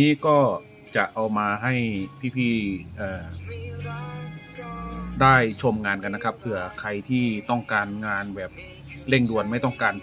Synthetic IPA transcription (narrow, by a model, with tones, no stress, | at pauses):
niː˦˥kɔː˥˩ | t͡ɕa˨˩ʔa˧wmaː˧ɦa˥˩jpʰiː˥˩pʰiː˥˩ʔɤː˨˩ | daː˥˩jt͡ɕʰo˧mŋaː˧nka˧nːa˥kʰa˦˥p̚pʰɯ˩˦ɐkʰa˧jt̪ʰiː˥˩t̪ɔ˥˩ŋkaː˧nŋaː˧nbɛː˨˩p̚ | le˥˩ŋdu˧ənma˥˩jt̪ɔ˥˩ŋkaː˧n